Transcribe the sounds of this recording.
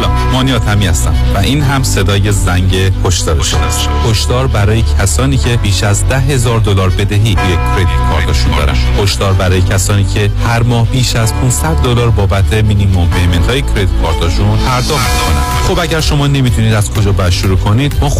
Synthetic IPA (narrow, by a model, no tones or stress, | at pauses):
mɒːniɒːt̪ʰæmiːæst̪æmvæʔiːnɦæmse̞d̪ɒːje̞zæŋɟekʰoʃd̪ɒːɾeʃod̪s | hʰoʃd̪ɒːɾbæɾɒːjecʰæsɒːniːcʰe̞biːʃæzd̪æɦe̞zɒːɾd̪olɒːɾbe̞d̪eɦiːujekʰɾe̞d̪it̪kʰɒːɾt̪ʰɒʃund̪ɒ̰ːɾæ̰nd̪hʰoʃd̪ɒːɾbæɾɒːjecʰæsɒːniːcʰe̞hæɾmɒːhbiːʃæzpʰunsæd̪̚ːolɒːɾbɒːbæt̪ʰemiːd̪iːmːɔveme̞nt̪ʰɒːjecʰɾe̞d̪it̪̚kʰɒːɾt̪ʰɒʃunpʰæɾd̪ɒːχt̪mikʰonæ̰ | xobæɟæɾʃo̞mɒːne̞miːt̪ʰuniːd̪æz̥kʰo̞d͡ʒɒːbæʃuɾuːkʰo̞niːd̪̥mɒː